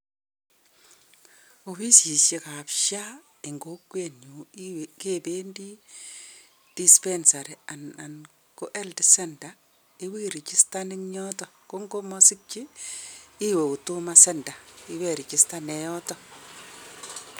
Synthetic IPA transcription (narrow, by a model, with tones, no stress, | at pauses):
o˨fi˦sji˨ʃe˨ka˨pʃa˦ | ɪ˨ŋɡo˦kːwenu˨wke˦be˦ndi˦ | d̥i˦spe˦nsa˨ɾe˨a˨na˨n | ko˦ʔɛ˦ldɪsɛ˦nda˨ | ɪ˦wi˦ɾi˨t͡ʃɪ˦stanɪ˦ŋɲɔ˦tɔ˨ | ko˦ŋɡo˦mɔsɪ˦k̚t͡ʃiː˦ | we˨u˨tu˦ma˦sɛ˦nda˨ɪ˦we˨ɾi˨t͡ʃɪ˦sta˦nɛ˨jɔ˦tɔ˦